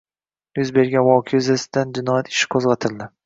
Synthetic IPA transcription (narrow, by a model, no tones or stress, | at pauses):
jʊzbe̞ɾɡʲanwɒkʲʰejʊzasɪd̪̥and͡ʒɪnɒjat̪ʰɪ̥ʃɪ̥kʰozʁɑt̪ʰɪld̪ɪ